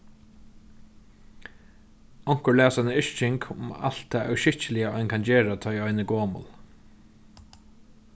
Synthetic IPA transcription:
ɔŋ̥kəɹlæːsanəɪʃt͡ʃɪŋkʰʊ̰ma̰l̥t̪ʰːaːʔɛʃɪht͡ʃɪlɪjaɔjnkʰand͡ʑeːɹat̪ʰɔjɔjnəɡoːmʊ̰l

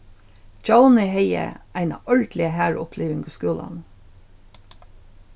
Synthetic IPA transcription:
d͡ʒɑʊnəheɪə̰ʔæɪnɑ̰ʔœɭd̪lɪəhæːɹʊpʰleːʋɪŋɡʊskʉːlɑ̰n

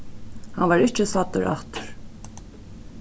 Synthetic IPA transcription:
hanvaɾɪht͡ʃɪsat̪ːʊɾa̰ht̪ʏɾ̥

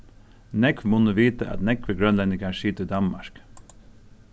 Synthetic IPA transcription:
nɛkʋmʊnəʋiːt̪əʔɑ̰t̪nɛkʋəɡɾœnlɛnɪɡɑʃiːt̪əd̪ɑnmɑ̰ɹk

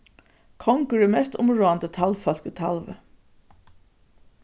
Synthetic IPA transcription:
kʰɔŋkəɹɪmɛst̪ʊ̰mɹoːant̪ət̪ʰalfœl̥kit̪ʰa̰lʋə̰

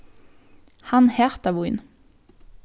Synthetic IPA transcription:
hɑnheːʁt̪ɑʋʊɪn

